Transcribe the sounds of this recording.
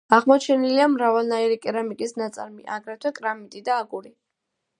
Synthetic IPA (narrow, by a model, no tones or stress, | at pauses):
aʁmɔt͡ʃʰɛniliamɾavalˠnaiɾikʼɛɾamit̪ʼisnat̪sʼaɾmḭʔaɡɾɛt̪ʰwɛkʼɾamit̪ʼid̪aːɡuɾi